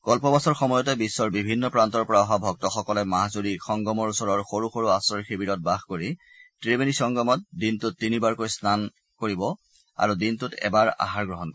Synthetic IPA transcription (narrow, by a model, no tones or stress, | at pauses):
ɡ̥ɔlpɔbasɔɹxɔmɔjɔtɛbisːɔɹbibʱinːɔpɹantɔɹpɔɹaɔɦabʱɔk̚tɔxɔkɔlɛmaɦsuɹixɔŋɡɔmɔɹusɔɹɔɹxoɹuxoɹuasɔɹxibiɹɔt̚baxkoɹi | tɹemenisɔŋɡɔmɔt̚dintʊtːinibaɹkojsnan | koɹibɔ | a̰ɹudintʊtɛ̰baɹa̰ɦaɹɡɹɔɦɔnk